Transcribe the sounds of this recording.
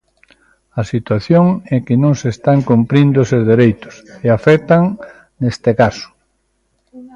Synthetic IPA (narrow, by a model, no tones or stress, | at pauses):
ɐsit̪waθjoŋɛkɪnõŋsest̪aŋkompɾĩnd̪osezðeɾejt̪ʊ̥seafɛt̪aŋ | nest̪ekasʊ̥